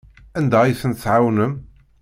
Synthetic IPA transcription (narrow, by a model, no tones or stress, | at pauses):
ænd̪æiθənt̪θʕawnəm